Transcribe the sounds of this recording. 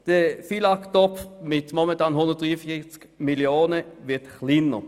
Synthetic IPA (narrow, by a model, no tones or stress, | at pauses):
d̪̥əfilɑkt̪ɔpmɪt̪mɔmɛt̪ʰɑːnhʊnd̪ət̚d̥̪ʁiːəfɪsk | mɪljoːnəʋɪt̪xliːnə̰ʁ